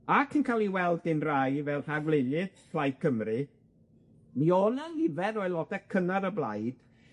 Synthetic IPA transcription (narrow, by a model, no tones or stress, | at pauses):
akʰɪnkʰalˠiwɛlˠdɪnrajvɛlˠr̥avlɪnɨd̥fʰlˠajd̚kʰəmrɨ | miɔnalɪvɛɾɔjlˠɔdɛkʰənaɾəblˠajd̥